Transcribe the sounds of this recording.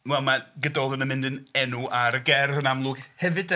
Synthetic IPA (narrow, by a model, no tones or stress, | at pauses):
wɛlˠmaɡədɔðˠənəmɪ̃ndənɛnuʔaɾəɡɛrðənamlˠʊɡ̥hɛvɨd̥